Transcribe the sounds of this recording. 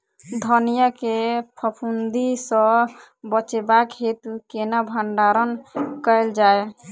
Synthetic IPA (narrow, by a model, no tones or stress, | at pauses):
d̪ʱənijakepʰəpʰund̪isə̃ | bət͡ʃebakɦet̪ukenabʱəɳɖaɾənkəjld͡ʒae